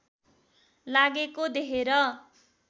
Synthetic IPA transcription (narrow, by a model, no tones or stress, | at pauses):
laɡekod̪eɦeɾʌ